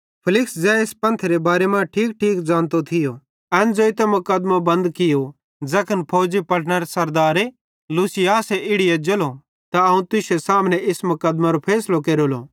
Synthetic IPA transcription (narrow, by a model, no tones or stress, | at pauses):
pʰɪlɪksd͡zɛːɪspɐ̃nt̪ʰeɾebaːɾɛmãʈʰiːk̚ʈʰiːkd͡zãːnt̪ot̪ʰɪjo | ɛːnd͡zoːɪt̪ɛmʊkəd̪mabɐ̃nd̪kɪjo | d͡zɐkʰənpʰoːd͡zipɐɽʰñɛɾesɐɾd̪aːɾe | luːsɪjaːsɛʔɪɽɪjad͡ʒolo | t̪aɐũt̪ʊʃesaːmnɛʔɪsmʊkəd̪maɾopʰɛːslokeːɾolo̰